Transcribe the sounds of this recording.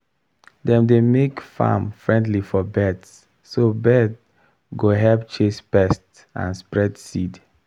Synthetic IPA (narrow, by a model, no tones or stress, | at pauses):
dɛ̃mdemekfa̰mfɹɛ̃ndlifɔbɛdsː | obɛd | ɡoɦɛlpt͡ʃespɛst | ã̰nspɹɛdsid